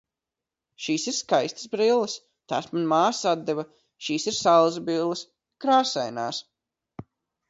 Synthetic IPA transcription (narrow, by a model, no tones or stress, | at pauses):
ʃiːsiɾskajst̪ə̥zbɾilˠːɐs | t̪a̰ːsmanmaːsad̪̚d̪ɛvɐ | ʃiːsiɾsalˠzɐbilˠːɐs | kɾaːsajna̰ːs